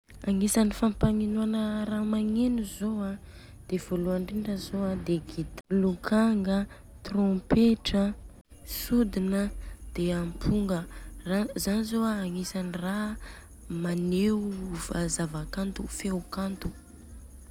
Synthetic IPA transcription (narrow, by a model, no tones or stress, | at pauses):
aŋisanifampaŋinuanəramaŋenuzoa | d̪̥ev̥oluaɳɖ͡ʐiɳɖ͡ʐəzoad̪eɡit̪lukaŋɡə | t̪rõpeʈ͡ʂə | sud̪inəd̪̥eampʰuŋɡərazanizoaːŋesanira | manevazavakant̪ufewkant̪u̥